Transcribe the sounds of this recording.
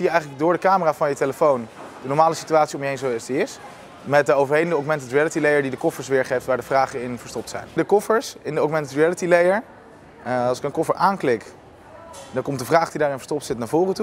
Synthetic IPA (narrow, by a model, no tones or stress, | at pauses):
ijəɛjχələɡ̚dʊːɹdəkaːməraːvɑnjəteləfown | d̥ənɔɹmaːləsi̥tyaːtsiomjəɦejnsosdiɪs | mɛt̚dəowvəɹɦejdəndəɔɡmɛntətɹiɛlətilejəɹdidəkɔfəɹsʋɪːɹχejftʋaːɹdəvraːχəɪnvəɹstɔp̚tsɛ̰jndəkɔfəɹsɪndəɔɡmɛntətɹiɛlətilejəɹ | ɑlˠsɪ̥kənkɔfəɹʔaːnklɪk | dɑnkɔmt̚dəvraːχdidaːɹɾɪnvə̥ɹstɔp̚tsɪtnaːɹvoːrətu